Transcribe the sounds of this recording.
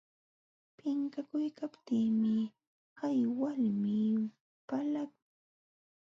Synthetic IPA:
pɪŋkakʊjkapt̪iːmɪ | hajwalmɪ | palak̚ʊ̥ŋ

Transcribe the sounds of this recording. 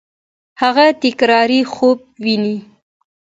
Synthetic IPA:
haɣat̪ɪkɾɑɾixob̚wini

